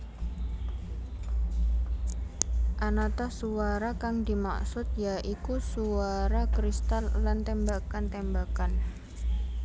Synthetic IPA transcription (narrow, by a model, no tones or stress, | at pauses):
ʔanat̪ahsuaɾakaŋdi̤ma̰ksʊt̪̚jaʔikusuaɾakɾist̪alːant̪ɛmbakant̪ɛmbakan